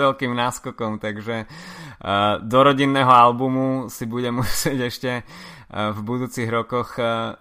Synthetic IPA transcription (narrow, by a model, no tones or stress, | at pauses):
ʋɛlkiːmnaːskɔkɔmt̪aɡʒɛ | d̪ɔɾɔɟinːɛːɦɔalbumusibuɟɛmusɪɛɟɛʃcɛ | vbud̪uːt͡siɣɾɔkɔx